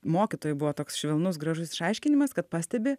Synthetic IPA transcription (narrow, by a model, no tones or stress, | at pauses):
moːkʲɪt̪oːjʊbʊʋoːt̪oːksʃʲʋʲɛlˠnʊsɡɾɐʒʊsɪ̥ʃɐɪʃʲkʲɪnʲɪmɐskɐt̪̚pɑːsʲt̪ʲɛbʲɪ